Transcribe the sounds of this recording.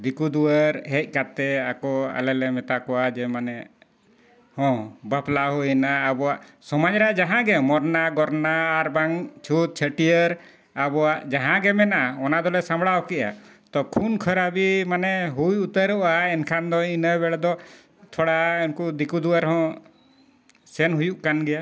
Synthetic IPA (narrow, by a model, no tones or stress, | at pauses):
d̪ikud̪uəɾɦɛc̚ˀkat̪ɛa̰kɔa̰lɛlɛmɛt̪akɔwad͡ʒɛmanɛ | hɔ̃bəplaɦuinaːbɔwaʔsɔmad͡ʒɾaʔd͡ʒaɦãɡɛmɔɾnaɡɔɾnaːɾbaŋt͡ʃʰut̪̚t͡ʃʰəʈijəɾ | abɔwaʔd͡ʒaɦãɡɛmɛnaaɔnad̪ɔlɛsãmbɽawkɛʔa̰ | t̪ɔkʰunkʰəɾabimanɛɦujut̪əɾɔʔaɛnkʰand̪ɔinəbɛɽad̪ɔ | t̪ʰɔɽaɛnkud̪ikud̪uwaɾɦɔ̃ | sɛnɦujuʔkanɡɛja